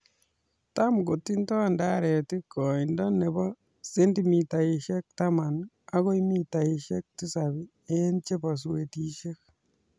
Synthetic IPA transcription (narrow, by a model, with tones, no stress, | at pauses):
ta˦mɡo˨ti˦ntɔ˦nda˦ɾɛ˨ti˦kɔ˨i˨ndɔ˦ne˨bɔ˦ | se˦ndimi˨ta˨i˨ʃɛ˦k̚ta˦ma˨n | a˦ɣo˦imi˦ta˨iʃɛ˦k̚ti˦sabi˦ | e˦nt͡ʃe˦ba˨s̬we˨ti˦ʃe˦k̚